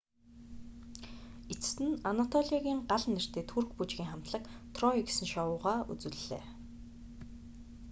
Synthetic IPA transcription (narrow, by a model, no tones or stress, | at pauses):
et͡sɘ̥̆t̪ɘ̆nanat̪ʰɔɮʲiaɣʲiːŋɢaɮnːer̥t̪eːt̪ʰur̆xput͡ɕɣʲiːŋχam̥t̪ɮə̆kt̪ʰrɔiksɘ̆nʃɔwʊːʁaːṵt͡sɘ̆ɮɮḛː